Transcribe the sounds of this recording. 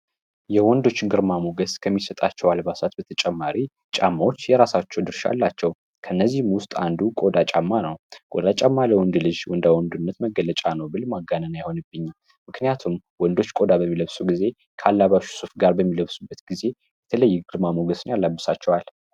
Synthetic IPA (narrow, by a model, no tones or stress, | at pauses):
jɛwɔnd̪o̞t͡ʃːɪnɡɨɾmamoɡəskʰəmːisət̪ʼat͡ʃːɛwalbasat̪bət̪ʰət͡ʃʼɛmːaɾi | t͡ʃʼamːawot͡ʃːjɛɾasat͡ʃːɛwd̪ɨɾʃa̰lːat͡ʃːɛw | kʰəɨnːəzːihɨmwʊst̪ʼa̰nd̪ukʼod̪at͡ʃʼamːanəwkʼod̪at͡ʃʼamːaləwɔnd̪ulɨd͡ʒwɔnd̪awɔnd̪unːət̪məɡːələt͡ʃʼanəwbɨlmaɡanənajho̞nɨbːɨɲːal | mɨknijat̪ʰum | wɔnd̪o̞t͡ʃːkʼo̞d̪abəmːiləβsuɡize̞ | kʰəalːaβaʃu̥sufɡaɾbəmːiləβsubːət̪ɡize̞ | jɛt̪ʰələjːɡɨɾmamoɡəsɨnjalːabːɨsat͡ʃːɛwal